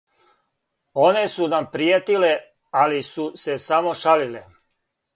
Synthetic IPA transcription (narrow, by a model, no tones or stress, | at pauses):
o̞ne̞sunampɾijet̪ile | alisuse̞samo̞ʃalile